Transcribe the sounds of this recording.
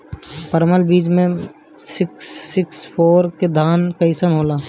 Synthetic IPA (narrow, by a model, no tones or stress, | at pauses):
pəɾməlbiːd͡ʒmẽ | sɪksːɪkspʰoːɾked̪ʱaːnkɐɪsənɦoːlaː